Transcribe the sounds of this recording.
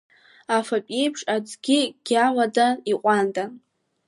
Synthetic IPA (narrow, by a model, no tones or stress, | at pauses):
afapʼejpʰʂʼad͡zɡʲɪɡ̥ʲamadaiqʷʼandʼa